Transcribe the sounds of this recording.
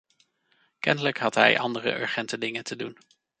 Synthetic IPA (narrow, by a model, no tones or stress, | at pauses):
kɛndələkɦɑtɦɛ̰jʔɑndərə̰ʔœ̰ɹχɛntədɪŋətʰədun